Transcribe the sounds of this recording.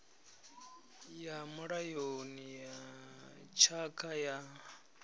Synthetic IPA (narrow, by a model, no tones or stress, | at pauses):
jamuɺajonija | t͡ʃʰakʰaja